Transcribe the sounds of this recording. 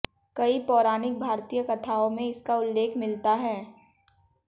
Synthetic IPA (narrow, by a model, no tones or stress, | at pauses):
kɐipɔːɾaːnɪk̚bʱaːɾt̪ijəkɐt̪ʰaːõmẽɪskaʊlːeːkʰmɪlt̪aɦɛː